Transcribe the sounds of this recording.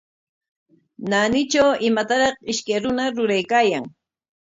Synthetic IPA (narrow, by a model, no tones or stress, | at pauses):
nanɪt͡ʃawɪmat̪aɾɑχɪʃkajɾʊnaɾʊɾajkaːjaŋ